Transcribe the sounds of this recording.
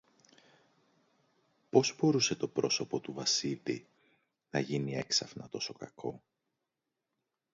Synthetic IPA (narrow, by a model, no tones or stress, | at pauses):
po̞zbo̞ɾuse̞t̪o̞pɾo̞so̞po̞t̪uvɐsilḭ | nɐʝinie̞ksɐfnɐt̪o̞so̞kɐkʰo̞